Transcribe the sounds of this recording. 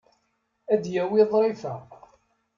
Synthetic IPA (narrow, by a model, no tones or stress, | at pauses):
æd̪jæwiðˤɾˤifæ